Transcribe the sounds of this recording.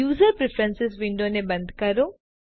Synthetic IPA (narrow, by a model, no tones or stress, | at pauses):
uːzəɾpɾɪfʰɾə̃nsɪs̬ʋɪɳɖonebənd̪ʱkəɾo